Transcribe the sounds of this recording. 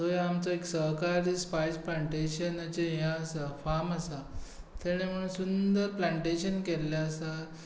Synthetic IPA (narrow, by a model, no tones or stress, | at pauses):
t̪ojãamt͡sɔeksəɦkaɾispajsplaɳʈeɕənat͡ɕejãəsafaɾmasa | t̪ʰeɽ̃em̤əɽunsund̪əɾplaɳʈeɕənkɛlːaːsa